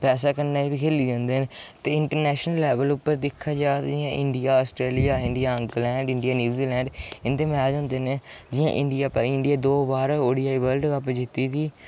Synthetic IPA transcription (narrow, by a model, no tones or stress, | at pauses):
pɛːsaːkəɾnaːbiːkʰeːliːd͡ʒãːnd̪eːnːt̪eːɪɳʈəɾnɛːʃnəlːɛːʋəlʊpːəɾd̪ɪkʰːaːd͡ʒaːt̪ːd͡ʒɪjãːʔɪɳɖɪjaːəsʈɾeːlijaːɪɳɖɪjaːə̃ŋɡlɛ̃ːɳɖɪ̃ɳɖɪjaːnjuːziːlɛ̃ːɳɖɪnd̪eːmɛad͡ʒãːnd̪eːneː | d͡ʒɪjã̰ːʔɪ̃ɳɖɪjaːpːɪɳɖɪjaːd̪oːbaːɾoːɽiːaːiːbəlɖkapd͡ʒɪt̪ːiːt̪iː